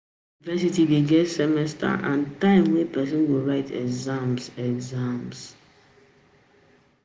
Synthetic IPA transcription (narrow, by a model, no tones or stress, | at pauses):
vɛsitideɡɛtsɛmɛstʰa̰ʔã̰ntãɪ̃mwɛ̃pɛs̬ɔ̃nwoɹaɪtʰɛ̰ɡzãmsɛɡzãms